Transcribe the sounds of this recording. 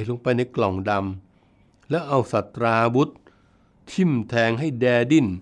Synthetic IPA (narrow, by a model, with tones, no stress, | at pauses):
t̪̚lo˧ŋpa˧jna˧jklɔ˨˩ŋda˧m | lɛ˦˥wʔa˧wsa˨˩t̪ɾaː˧bu˦˥t̪̚ʰː | i˥˩mt̪ʰɛː˧ŋɦa˥˩jdɛː˧di˧˥˩n